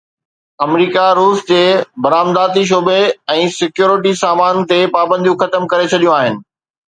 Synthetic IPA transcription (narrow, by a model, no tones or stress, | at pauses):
ɐmɾiːkaɾuːsd͡ʑeːbɐɾaːmd̪aːt̪iʃ̬oːbeɛ̃ːsɪkjuːɾɪʈ̬isaːmaːnt̪epaːbə̃nd̪ijũxɐt̪əmkɐɾet͡ɕʰɐɗijũaːɦɪnɪ̆